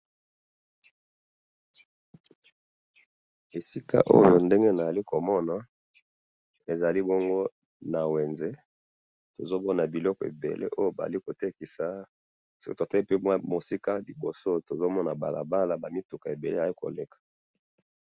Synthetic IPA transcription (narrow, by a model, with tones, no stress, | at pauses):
e˨si˦ka̰˦ʔo̰˦jo˨nde˦ŋɡe˦na˨a˨li˦ko˨mɔ˦na˨ | e˨za˨li˦bɔ˦ŋɡo˦ | na˨we˨nze˦ | to˨zo˦bɔ˦na˨bi˨lɔ˦kɔ˨ḛ˨bḛ˨lḛ˦ʔo˦jo˦˨ba̰˨a̰˨li˦ko˨te˦ki˨sa˨ | so˦ko˦to˨tɛ˦pe˦mwa˦mo˨si˦ka˦li˨bo˨so˦to˨zo˦mɔ˦na˨ba̰˨la̰˨ba˦la˨ba˨mi˦tu˨ka˨e˨be˨le˦a˨i˦ko̰˨le˨kḁ˨